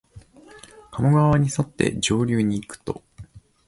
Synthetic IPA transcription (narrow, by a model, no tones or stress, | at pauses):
kamoɡaβaɲ̟isot̪ːe̞̰d͡ʑo̞ːɾʲɨːɲ̟iːkɯ̟̥t̪o̞̰